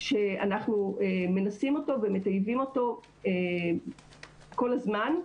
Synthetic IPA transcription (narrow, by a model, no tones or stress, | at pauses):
ʃe̞anaχnueme̞nasimo̞to̞veme̞tajvimo̞to̞ | e | ko̞lazman